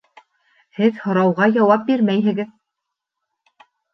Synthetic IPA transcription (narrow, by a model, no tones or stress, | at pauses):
hɘðhŏɾɑwʁɑjɑwɑp̚biɾmæjɦɘ̆ɡɘð